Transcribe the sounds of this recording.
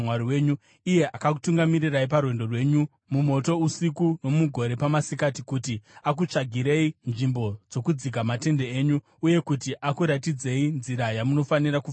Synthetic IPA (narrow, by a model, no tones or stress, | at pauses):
waɾiweːɲu | ije̞ʔakaku̥tuŋɡamiriraip̬arwe̞ndo̞rwe̞ɲu | mumo̞to̞usikuno̞muɡʱo̞ɾe̞pamasikatikutiak̬ut͡ʂaɡʱiɾe̞inʐimbo̞d͡zo̞kud͡ziɡʱamate̞nde̞eːɲu | uje̞kutiʔakuɾatid͡ze̞inziɾajamuno̞faniɾaku